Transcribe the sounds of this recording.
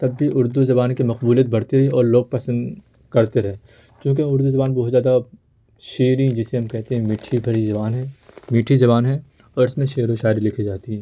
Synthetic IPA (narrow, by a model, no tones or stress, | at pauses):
t̪ɐbːiʔʊɾd̪uzɐbaːnkimɐqbuːlijət̪̚bɐɽt̪eɾɐɦeɔːɾloːɡ̚pɛsə̃nd̪ | kɐɾt̪eɾɛɦe | kjũːk̬eʊɾd̪uzɐbaːnbɔːt̪zjaːd̪a | ʃeːɾĩd͡ʒɪseɦɐmkɛɦt̪eɦɛ̃miːʈʰibʱɐɽizɐbaːnɦɛ̃miːʈʰizɐbaːnɦɛ̃ | ɔːɾɪsmẽʃeːɾõʃaːɾilɪkʰid͡ʒaːt̪iɦɛ̃ː